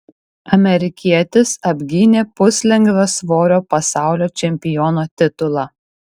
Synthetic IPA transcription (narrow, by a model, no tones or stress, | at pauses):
ɐmʲɛɾʲɪkʲiɛt̪ʲɪsɐbʲɡʲiːnʲeːpʊsʲlʲɛŋɡʋɐsʋoːɾʲoːpɐsɑˑʊlʲoːt͡ʃʲɛmʲpʲɪjɔːnoːt̪ʲɪt̪ʊlˠɑː